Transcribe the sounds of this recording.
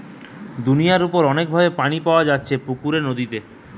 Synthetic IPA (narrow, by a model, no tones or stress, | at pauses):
d̪unijaɾupoɾɔnek̚bʱabepaɽ̃ipaoad͡ʑatːɕʰepukuɾenod̪it̪e